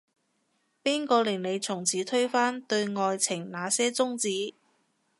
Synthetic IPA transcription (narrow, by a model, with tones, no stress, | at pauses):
piː˥nkɔː˧lɪː˨˩ŋne˨˧jt͡sʰʊ˨˩ŋt͡sʰiː˨˥t̪ʰɵ˥ɥfaː˥nt̪ɵ˧ɥŋɔː˧jt͡sʰɪ˨˩ŋnaː˨˧sɛː˥t͡sʊ˥ŋt͡siː˨˥